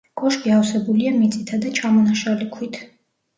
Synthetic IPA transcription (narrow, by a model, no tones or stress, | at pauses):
ɡʼɔʃɡiafsɛbuliamit̪sʼit̪ʰad̪at͡ʃʰamɔnaʃalikʰwit̪ʰ